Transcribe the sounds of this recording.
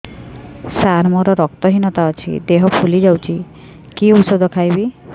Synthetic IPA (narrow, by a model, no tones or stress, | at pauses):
saɾmɔɾɔɾɔk̚t̪ɔɦinɔt̪aɔt͡ʃʰḭd̪eɦɔpʰulid͡ʒawt͡ʃʰi | kiusɔd̪ʱɔkʰajbi